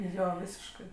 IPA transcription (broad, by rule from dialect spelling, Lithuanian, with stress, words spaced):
ˈjoː ˈʋʲiːsʲɪʃkɜ